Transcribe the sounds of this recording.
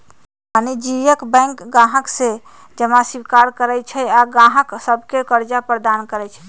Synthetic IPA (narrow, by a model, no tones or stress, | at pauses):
anid͡ʒijəkbɛ̃ŋkɡãɦəkse | d͡ʒəmasikaɾkəɾɛt͡ʃʰɛaɡãɦəksəbʱkekəɾd͡ʒapɾəd̪ankəɾɛt͡ʃʰɛ̥